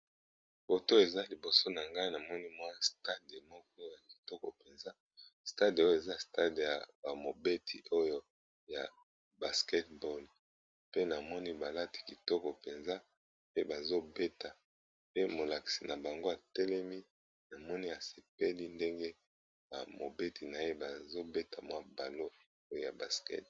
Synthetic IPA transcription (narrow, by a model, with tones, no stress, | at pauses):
b̥o˨to˦e˨za˦li˨bo˨so˦na˨ŋɡa˦i˦na˨mɔ˦ni˦mwa˦sta˦de˨mɔ˦k̚ɔ˦ja˨ki̥˨tɔ˦kɔ˨pe˨nza˦ | sta˦do˦jo˦e˨za˦sta˦de˨ja̰˨ba˨mo˨be˦tʰi˨ʔo˦jo˦ | ja̰˨ | ba˨skɛ˦t̚bɔ˦l | pe˦na˨mɔ˦ni˦ba˨la˦ti̥˨ki˨tɔ˦kɔ˨pe˨nza˦ | pe˦ba˨zo˦be˦ta˨ | pe˦mo˨la˨ki̥˨si˨na˨ba˨ŋɡo˦a˨tɛ˦lɛ˦mi˦ | na˨mɔ˦ni˦a˨se˨pe˦li˦nde˦ŋɡe˦ | ba̰˨mo˨be˦ti˨na˨je˦ba˨zo˦be˦ta˨mwa˦ba˨lo˦ | o˦jo˦˨ja˨ba˨skɛ̰˦t̚